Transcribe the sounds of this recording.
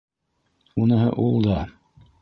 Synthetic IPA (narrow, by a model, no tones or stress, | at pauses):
unɤ̆ɦɤ̰ʔulˠd̪ɑ